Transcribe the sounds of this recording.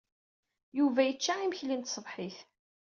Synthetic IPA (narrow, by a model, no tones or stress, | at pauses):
juvæjət͡ʃːaiməçlint̪sˤəðˤħiθ